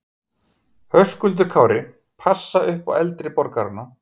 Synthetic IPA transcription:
hœskʏlt̪̬ʏɾkʰaːwɾɪ | pʰasːaʏhpa̰wɛlt̪ɾɪpɔɾkaɾana

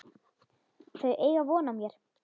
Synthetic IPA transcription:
θœɥʔeːjɣavɔːnamjɛɾ̥

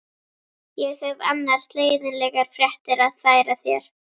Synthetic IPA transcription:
jɛɣhɛva̰nːaɾ̥st̪leːjðɪnlɛɣaɾ̥fɾjɛht̪ɪɾaðfaːjɾaθjɛ̰ɾ̥

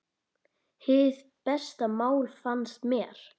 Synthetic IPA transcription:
hɪð | pɛst̪amaːwlfanst̪mjɛɾ̥

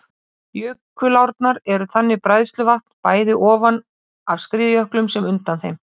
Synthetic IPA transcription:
jʏːkːʏlawɾt̪naɾɛɾʏθanːɪpɾajðst̪lʏvaht̪n̥paːjðɪʔɔːvan | avskɾiːðjœhklʏmsɛmʏnt̪anθejm

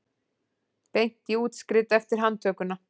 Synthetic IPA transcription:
pejn̥t̪iuːt̪skɾɪt̪ɛft̪ɪɾ̥ɦant̪ʰœːkʏna

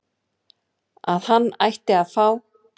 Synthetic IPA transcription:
aðhanːajht̪ɪaðfaːw

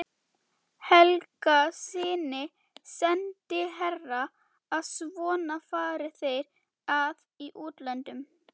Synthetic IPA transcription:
hɛlkasɪːnɪ | sɛnt̪ɪɦɛrːaː | ðsvɔːnafaːɾɪθejɾ | að | iʔuːt̪lɛnt̪ʏm

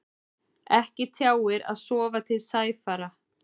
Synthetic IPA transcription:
ɛhcɪt̪ʰjaːwɪɾa̰ðsɔːvat̪ʰɪlsaːjfaːɾa

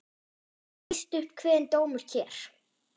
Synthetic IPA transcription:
st̪ʏhpkʰvɛːðɪnt̪oːwmʏɾ̥cʰɛːɾ̥

